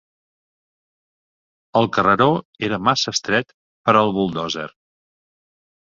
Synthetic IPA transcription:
əlˠkərəɾoeɾəmasəst̪ɾɛt̪ | pəɾəlˠβulˠd̪ɔzɛ̰ɾ

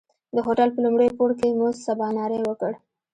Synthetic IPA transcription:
d̪əɦoʈalpəlumɽəjpoɾkemozsabɑnɑɾewəkəɽ

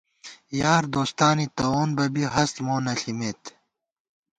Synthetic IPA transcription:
jaːɾd̪oːst̪aːnit̪ɐoːnbɐbiɦɐst̪moːnɐɬimet̪

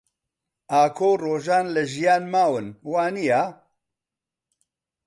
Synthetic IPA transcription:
ʔaːkʰoːroːʒaːnlɐʒijaːnmaːwɨnwaːnijaː

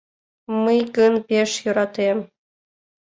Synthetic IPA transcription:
məjɡənpeʃjøɾɑt̪em

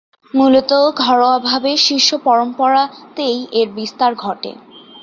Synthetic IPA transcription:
mulot̪oɡʱɔɾoabʱabeʃiʃːopɔɾompɔɾat̪ejeɾbist̪aɾɡʱɔʈḛ

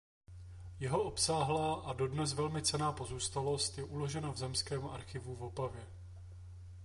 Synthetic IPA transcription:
jɛɦo̞ʔo̞psaːɦlaːʔado̞dnɛs̬vɛlmɪt͡sɛnaːpo̞zuːst̪alo̞st̪jɛʔulo̞ʒɛnavzɛmskɛːmʔa̰ɾxɪvuvo̞pavjɛ

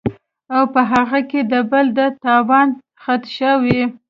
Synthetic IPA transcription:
awpəɦaɣaked̪əbəld̪ət̪ɑwɑn | xat̪ʃəwi

